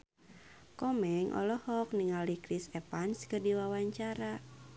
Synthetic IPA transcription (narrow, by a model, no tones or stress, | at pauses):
kɔmɛŋʔɔ̰lɔhɔk̚niŋalikɾisɛpanskərdiwawaɲt͡ʃaɾa